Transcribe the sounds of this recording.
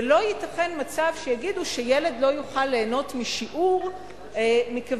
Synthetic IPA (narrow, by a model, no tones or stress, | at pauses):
elo̞jitaχe̞nmat͡savʃejaɡiduʃejele̞d̪lo̞juχalːeːno̞tmiʃiʔuʁ | mika